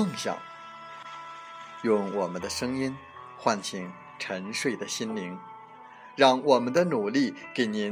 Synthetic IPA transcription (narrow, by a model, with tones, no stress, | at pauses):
ɤ˥˩ŋɕjɑ̰˨˩˦ | jʊ˥˩ŋwɔ˨˩mə˦nd̪ə˧ʂɤ˥ŋi˥n | xwa˥˩nt͡ɕʰi˨˩ŋ | ʈ͡ʂʰə˧˥nʂwe˥˩ɪd̪ə˩ɕi˥nli˧˥ŋ | ɻɑ˥˩ŋwɔ˨˩mə˦nd̪ə˧nu˨˩li˥˩ke˨˩ɪni˧˥